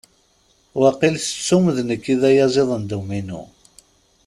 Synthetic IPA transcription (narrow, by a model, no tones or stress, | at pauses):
wɑqilsə̥t͡sːuməðnəkːiðæjæzeðˤənd̪uminṵ